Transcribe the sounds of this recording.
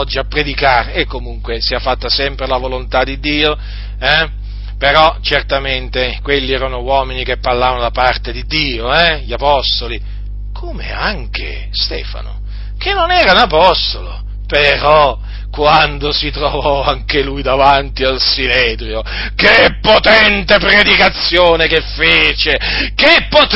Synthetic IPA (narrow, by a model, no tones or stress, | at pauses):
d͡ʒːiapːɾed̪ikaːɾeʔːkːomuŋkwesiafːat̪ːasɛmpɾelavolont̪ad̪id̪ːiːo | ɛ | peɾɔt͡ʃert̪ament̪ekwelːiɛːɾanowɔminikepːarlaːvanod̪apart̪ed̪id̪ːiːoɛʎapɔst̪oli | kʰoːmḛaŋkḛ | st̪ḛːfa̰no̰ | kenːonɛːɾanapɔst̪olo | peɾɔ | kwand̪osit̪ɾovɔaŋkelujd̪avant̪ialsineːt̪ɾjo | kepːot̪ɛnt̪epɾed̪ikat̪sːjoːnekefːeːt͡ʃekepːot̪